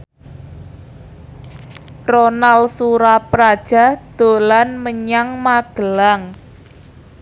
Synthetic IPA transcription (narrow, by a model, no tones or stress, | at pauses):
ronalsuɾapɾad̥ʒ̥a̤hd̪̥o̤lanməɲaŋmaɡ̥əlaŋ